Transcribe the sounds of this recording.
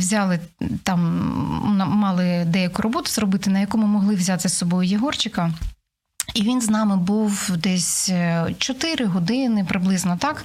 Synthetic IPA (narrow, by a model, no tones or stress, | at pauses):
ʋzʲɑlˠɪ | t̪ɑm | nɐmɑlˠɪd̪ɛjɐkʊrɔbɔt̪ʊzrɔbɪt̪ɪnɐjɐkɔmʊmɔɦlˠɪwzʲat̪ɪsɔbɔjʊjiɦɔrt͡ʃɪkɐ | iʋʲinznɑmɪbuwd̪ɛsʲt͡ʃɔt̪ɪɾɪɦɔd̪ɪnɪpɾɪblˠɪznɔt̪ɑk